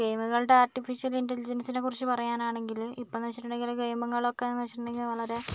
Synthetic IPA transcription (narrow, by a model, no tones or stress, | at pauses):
kejmuɣɐɭɨɽe̞aːrʈifiʂijɐlindɐlid͡ʑɐnsinekːurit͡ɕːɨpɐrɐjaːnaːɳe̞ŋɡilipːoniʋɐt͡ɕːiʈːuɳɖeŋɡilkejmɐŋːɐɭokːeniʋɐt͡ɕːiɐɳːɖeŋɡilʋɐɭɐɾe̞